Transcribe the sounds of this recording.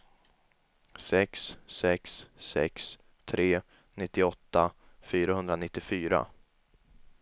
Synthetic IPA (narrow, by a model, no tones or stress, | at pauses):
sɛkssɛksːɛ̰ks | t̪ʰɾeː | nɪt̪ːɪɔt̪ːa | fyːɾaɦɵnd̪ɾanɪt̪ːɪfyːɾa̰